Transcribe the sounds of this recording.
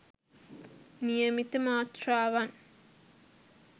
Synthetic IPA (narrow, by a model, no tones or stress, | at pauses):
nijɐmit̪ːɨmaːt̪raːʋan